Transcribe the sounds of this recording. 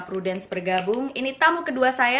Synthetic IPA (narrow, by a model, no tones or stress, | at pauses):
pɾudɛnsbərɡabʊŋinit̪amukəduasaja